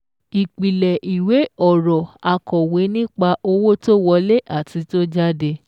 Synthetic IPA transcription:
i˨k͡pi˨lɛ˨ʔi˨we˨˦ɔ˨ɾɔ˨a˧kɔ˨we˨˦nĩ˦k͡pa˧ʔo˧wo˦to˦wɔ˧le˦ʔa˦˨ti˨˧˦to˦d͡ʒa˦de˧

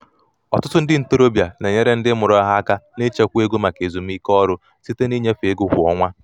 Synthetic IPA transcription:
ɔ˨tʊ˦tʊ˦n̩˦dɪ˦n̩˨to˦ɾo˦bja˨ne˨ɲe˦ɾe˦n̩˦dɪ˦mʊ˨ɾɔ˦a˦ɦa˦a˦ka˦ne˦t͡ʃe˦kʷu˦e˦ɡo˦ma˨ke˨zu˨m̩˦i˦kɔ˦ɾʊ˦ | si˦te˦ni˦ɲe˦fe˦ɡʊ˦ɦʊ˨ɔ̰˦ŋʷa˦

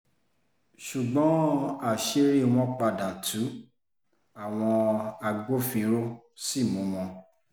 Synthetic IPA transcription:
ʃu˨ɡ͡bɔ̃˨˦a˨ʃe˦ɾi˦˨w̃ɔ̃˧k͡pa˧˨dã˨tʰu˨˦ | a˨w̃ɔ̃˧a˧ɡ͡bo˦fĩ˧ɾo˦ | si˦˨mũ˨˦wɔ̃˧

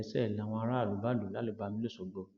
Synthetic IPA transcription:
sɛ˦˨lã˨w̃ɔ̃˧a˧˦ɾa˦˨lu˨˦ba˦˨lo˨la˨˦le˨˦˨ba˧mĩ˦le˦so˨ɡ͡bo˨˧

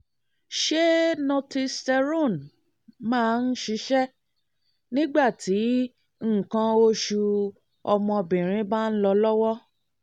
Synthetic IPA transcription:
ʃe˦nɔ̃˧ti˧stɛ˧ɾõ˦˨n | mãː˦˨n̩˦ʃi˨˦ʃɛ˦ | nĩ˦ɡ͡ba˦˨ti˨˦ | ŋ̩˦˨kã˧o˧ʃu˧ | ɔ˧mɔ̃˧bĩ˨ɾ̃ĩ˨˦ba˦n̩˦lɔ˧lɔ˦wɔ˦

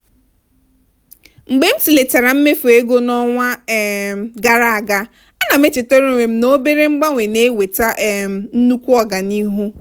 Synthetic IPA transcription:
ŋ͡m̩˨ɡ͡be˦m̩˦si˨le˨ta˨ɾa˨m̩˦me˦fu˨e˦ɡo˦nɔ˦ŋʷa˦˨ | ɡa˨ɾa˦a˨ɡa˦ | a˦na˨me˦t͡ʃɪ˨to˦ɾe˦˨ŋʷe˨m̩˨no˦be˦ɾe˦ŋ͡m̩˦ɡ͡ba˦ŋʷe˨ne˦we˨ta˦ʔm˨n̩˦nu˦kʷu˦ɔ˦ɡa˨ni˦ɦu˦

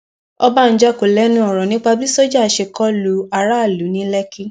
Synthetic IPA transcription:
ɔ˧ba˦˨n̩˨˦d͡ʒa˦ko˨lɛ˨˦nũ˦ɔ˨ɾɔ̃˨nĩ˦k͡pa˧bi˦so˦d͡ʒa˦˨ʃe˨kɔ˦lu˨˦a˨ɾa˦a˦˨lu˨˦nĩ˦lɛ˦ki˦

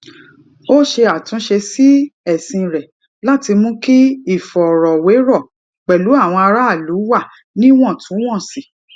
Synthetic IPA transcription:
o˦ʃe˧a˨tũ˨˦ʃe˧si˦ɛ˨sĩ˧ɾɛ˨ | la˦ti˧mũ˦ki˦i˦˨fɔ˨ɾɔ˨we˨˦ɾɔ˦˨ | k͡pɛ˨lu˨˦a˦˨w̃ɔ̃˧a˧ɾa˦a˦˨lu˨˦wa˦˨ | nĩ˦w̃ɔ̃˦˨tʰũ˨˦w̃ɔ̃˦˨si˨˦

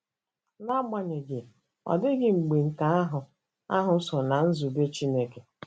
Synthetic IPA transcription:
na˦ma˨ɲe˨ɡɪ˨ | ɔ̰˨dɪ˦ɡɪ˨ŋ͡m̩˨ɡ͡bi˨ŋ̩˨ka˦a˦ɦʊ˨ | a˦ɦʊ˨˦sɔ˨na˨n̩˦zu˨be˦t͡ʃi˦ne˦ke˨

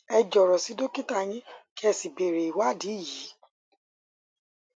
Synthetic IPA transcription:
ɛ˧d͡ʒɔ˨ɾɔ˨si˨˦do˦ki˦ta˦˨j̃ĩ˦ki˦ɛ˧si˨be˨ɾe˨i˨wa˦˨di˨˦i˦˨ji˨˦

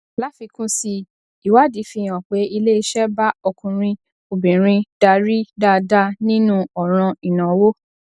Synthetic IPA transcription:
la˨˦fi˧kũ˦si˧ | i˨wa˨˦di˨˦fĩ˧˨j̃ã˨k͡pe˨˦i˧le˦i˧ʃɛ˦ba˦ɔ˧kũ˧ɾ̃ĩ˧ | o˨bĩ˨ɾ̃ĩ˧da˧ɾi˦da˦˨da˦nĩ˦nũ˦ɔ˨ɾ̃ã˧i˨nã˨wo˦

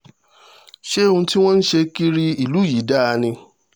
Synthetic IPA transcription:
ʃe˦ũ˧˦ti˦w̃ɔ̃˦n̩˦ʃe˧ki˦ɾi˦i˨lu˨˦ji˨˦da˦˧nĩ˧

